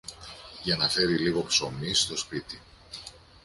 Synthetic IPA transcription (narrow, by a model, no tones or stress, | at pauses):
ʝɐnɐfe̞ɾiliɣo̞pso̞mist̪o̞spit̪i